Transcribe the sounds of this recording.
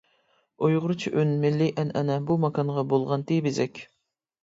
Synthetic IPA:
ojʁʊɾɨt͡ʃʰiʔønmɪlːiʔɛnʔɛnɛbumɑkʰɑnʁɑbolˠʁɑnt̪ebɪzɛkʲ

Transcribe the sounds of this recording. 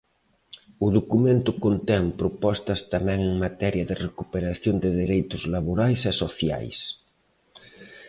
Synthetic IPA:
ʊðokumẽnt̪ʊkont̪ɛmpɾopɔst̪ɐst̪amɛ̃ŋeŋmat̪ɛɾjɐðɪrekupeɾaθjond̪ɪðeɾejt̪ʊzlaβoɾajsɛsoθja̰js

